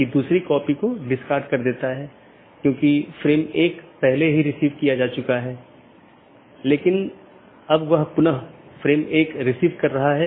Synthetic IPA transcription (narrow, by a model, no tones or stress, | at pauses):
id̪uːsɾikɔːpikoɖɪskaːɾɖkɐɾd̪eːt̪aɦɛː | kjõːkifɾeːmeːkpɛɦleɦiɾɪsiːʋkijad͡ʒaːt͡ʃʊkaɦɛː | leːkɪn | ɐbʋɐɦpʊnəɦfɾeːmeːkɾɪsiːʋkɐɾːɐɦaɦɛː